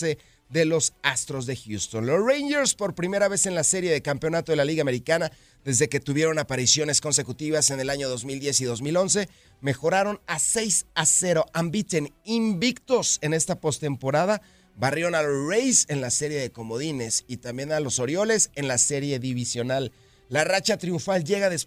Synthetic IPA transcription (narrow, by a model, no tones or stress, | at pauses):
se̞ | ðe̞lo̞sast̪ɾo̞zðe̞xjust̪o̞nlo̞srejɲd͡ʒeɾspo̞ɾpɾime̞ɾaβe̞se̞nlase̞ɾje̞ðe̞kampeo̞nat̪o̞ðe̞laliɣame̞ɾikana | ðe̞zðe̞ke̞t̪uβje̞ɾo̞napaɾisjo̞ne̞sko̞nse̞kut̪iβ̞ase̞ne̞laɲo̞ðozmild̪je̞siðo̞zmilo̞ns̬e̞ | me̞xo̞ɾaɾo̞nase̞jsase̞ɾo̞ʔambit̪enimbikt̪o̞se̞ne̞st̪apo̞st̪e̞mpo̞ɾað̞a | βarjeɾo̞nalozrejse̞nlase̞ɾje̞ðe̞ko̞mo̞ðine̞sit̪ambje̞nalo̞so̞ɾjo̞le̞se̞nlase̞ɾje̞ðiβisjo̞nalː | arat͡ʃat̪ɾiuɱfalʝe̞ɣaðe̞s